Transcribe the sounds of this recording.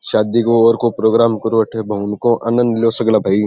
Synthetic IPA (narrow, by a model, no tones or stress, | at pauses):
ʃaːd̪ikoɔːɾkopɾoːɡɾaːmkɐɾoɐʈʰebʱɐɦʊnkõʔɐ̰nə̃nd̪ljoːsɐɡlaːbʱai